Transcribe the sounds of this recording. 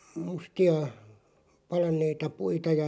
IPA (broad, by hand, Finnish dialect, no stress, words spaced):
mustiɑ pɑlɑnˑeitɑ puitɑ jɑ